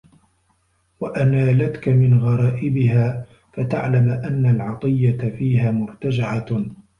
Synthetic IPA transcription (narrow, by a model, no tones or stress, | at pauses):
waʔanaːlat̪kamɪnɣɑɾˤɑːʔɪbɪɦaː | fat̪aʕlamʔanːalʕɑt̪ˤɨjːat̪afiːɦaːmʊɾˤt̪ad͡ʒɪʕa